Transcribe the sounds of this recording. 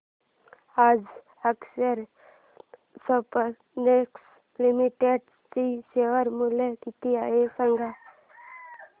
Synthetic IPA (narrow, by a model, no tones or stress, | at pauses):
aːd͡ʒ | əksəɾ | səpə | neks | limiʈeɖ | siseʋəɾmulekit̪ijaesəŋɡʱa